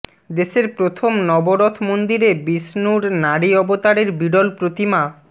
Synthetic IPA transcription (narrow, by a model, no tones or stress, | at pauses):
d̪eʃeɾpɾot̪ʰomnɔboɾot̪ʰmond̪iɾebisnuɽnaɽiɔbot̪aɾeɾbiɖolpɾot̪ima